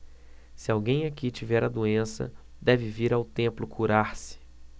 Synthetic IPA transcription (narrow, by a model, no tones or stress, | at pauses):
sɪawɡẽj̃akit͡ʃivɛɾad̪uẽsɐ̰d̪ɛvɪviɾawt̪ẽmplʊkʰuɾaɾsɪ̥